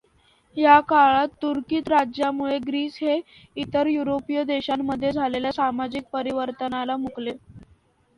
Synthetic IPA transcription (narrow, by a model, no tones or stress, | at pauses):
ɦjakaɭat̪ːuɾkiːt̪ɾad͡ʑjamuɭeɡɾiːsɦe | it̪əɾjuɾopijəd̪eɕamːəd̪ʱːjed͡zʱaleljasamad͡ʑik̚pəɾiʋəɾt̪ənalamukle